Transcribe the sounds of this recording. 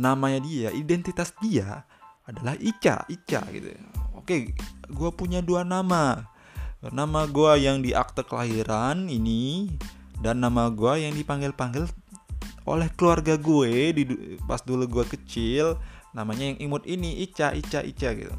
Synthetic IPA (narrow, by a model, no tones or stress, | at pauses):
namaɲadiaʔidɛnt̪it̪asdia | adalahit͡ʃa̰it͡ʃa̰ɡḭt̪ṵokeɡuapuɲaduanama | namaɡuajaŋdiʔa̰k̚t̪əkəlaɦiɾanini | danːamaɡuajaŋdipaŋɡɪlpaŋɡɪl | ʔo̰lɛhkəluarɡaɡuedipa̰sduluɡuakət͡ʃɪlnamaɲajaŋʔimʊt̪̚iniʔit͡ʃaʔḭt͡ʃaʔḭt͡ʃaɡḭt̪ṵ